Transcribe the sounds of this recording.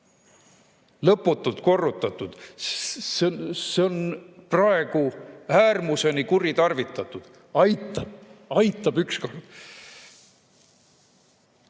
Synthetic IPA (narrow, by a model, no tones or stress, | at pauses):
lɤpːˑut̪ːˑult̪ko̞rːut̪ːˑɑt̪ːˑud̪̥ | sseo̞nprɑe̞ɡ̥uæːrmuse̞nikuɾit̪ɑrvit̪ːˑɑt̪ːˑud̪̥ | ɑjt̪ːˑɑb̥ɑjt̪ːˑɑb̥yksko̞rd̪̥